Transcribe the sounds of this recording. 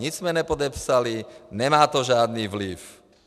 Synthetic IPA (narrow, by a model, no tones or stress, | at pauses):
ɲid͡ʒzmɛɲɛpɔd̪ɛpsaliɲɛmaːt̪ɔʒɪad̪niːʋliw